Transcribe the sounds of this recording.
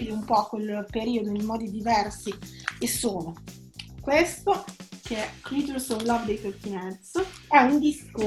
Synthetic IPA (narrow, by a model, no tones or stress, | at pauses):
ileumpɔkwelpeɾiːod̪onejmɔːd̪id̪ivɛrsiesoːno | kwest̪okeɛkɾit̪uɾsovlavd̪ejsət̪inɛt̪sɛund̪isko